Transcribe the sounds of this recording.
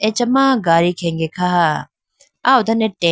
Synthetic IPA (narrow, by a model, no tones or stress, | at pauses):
et͡ʃɐmãːɡaːɾikʰeŋɡekʰaɦa | aːud̪ʱɐneʈe